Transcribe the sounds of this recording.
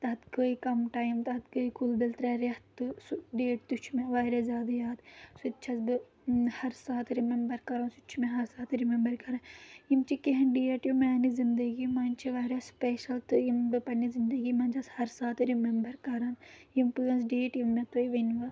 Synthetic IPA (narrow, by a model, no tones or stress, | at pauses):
t̪ɐɐt̪ɡəːikɐmʈaːjmt̪ɐɐt̪kəːikʰulbelt̪ɾɐɾet̪ɨsuɖeːʈ̚t̪ut͡ʃʰmeʋaːɾezjaːd̪ajaːd̪sutːt͡ʃʰɐsbɨ | hɐɾsaːt̪ʰɾimembɐɾkɐɾãːsut͡ʃʰumeɦɐɾsaːt̪ɾimẽmbɐɾkɐɾaimt͡ʃʰikiɦɐ̃nɖiːeʈjumẽnizɪnd̪ɐɡimɐnt͡ʃʰiʋaːɾespeːʃɐlt̪uimbɨpɐnizɪnd̪ɐɡimɐ̃nd͡ʒɐshɐɾsaːt̪ɾimembɐɾkɐɾanimpɨːɐns̬ɖeːʈjimːẽt̪oːiʋɐnʋɐ